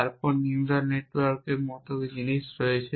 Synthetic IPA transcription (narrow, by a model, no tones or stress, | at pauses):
aɾpɔɾinʈaɾneʈwaɾkemɔt̪oɡid͡ʑiniʃɾojet͡ɕʰe